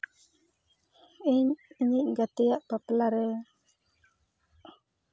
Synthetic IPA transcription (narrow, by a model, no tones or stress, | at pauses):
iɲiɲiʔɡat̪ɛjaʔpaplaɾɛ